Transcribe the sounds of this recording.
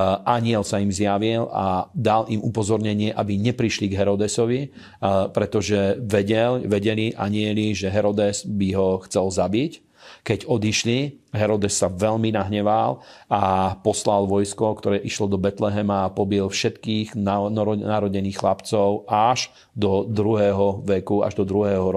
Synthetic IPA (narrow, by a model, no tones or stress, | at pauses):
aɲɪɛlsaimzjaʋila̰d̪alʔimupɔzɔɾɲɛɲɪɛʔabiɲɛpɾiʃliɡɦɛɾɔd̪ɛsɔʋi | pɾɛt̪ɔʒɛʋɛɟɛlʋɛɟɛliʔa̰ɲɪɛliʒɛɦɛɾɔd̪ɛsbiɦɔxt͡sɛlzabic | kɛɟɔd̪iʃliɦɛɾɔd̪ɛsːaʋɛʎminaɦɲɛʋalapɔslalʋɔjskɔkt̪ɔɾɛːʔiʃlɔd̪ɔbɛt̪lɛɦɛmaːpɔbiɛlfʃɛt̪kiːɣnnaɾɔɟɛniːxxlapt͡sɔʊaʒ | d̪ɔd̪ɾuɦɛːɦɔʋɛkua̰ʒd̪ɔd̪ɾuɦɛːɦɔɾ